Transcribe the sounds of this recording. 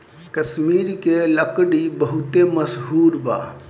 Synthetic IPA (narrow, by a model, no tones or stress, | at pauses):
kəsmiɾkeləkɽibəɦut̪eməsɦuɾba̰